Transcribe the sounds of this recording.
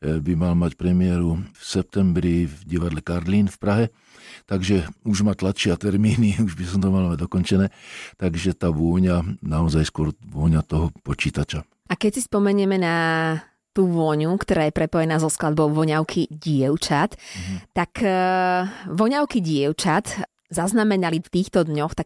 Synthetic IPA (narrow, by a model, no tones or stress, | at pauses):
bimalmacpɾɛmɪɛɾufsɛp̚t̪ɛmbɾivɟiʋad̪lɛkaɾliːnfpɾaɦɛ | t̪aɡʒɛuʒmaːt̪lat̪ʃɪat̪ɛɾmiːniuʒbisɔmt̪ɔmalmaɟd̪ɔkɔnt͡ʃɛnɛːt̪aɡʒɛt̪aːʋʊɔɲanaɔzajskʊɔɾʋʊɔɲat̪ɔɦɔpɔt͡ʃiːt̪at͡ʃa | ʔakɛcsispɔmɛɲɛmɛna | t̪uːʋɔɲukt̪ɔɾaːjɛpɾɛpɔjɛnaːzɔsklad̪̚bɔʊʋɔɲaʊkʰiɟɪɛʊt͡ʃat̪ːak | ʋɔɲaʊkiɟɪɛʊt͡ʃat̪ | zaznamɛnalift̪iːxt̪ɔd̪ɲɔxt̪ak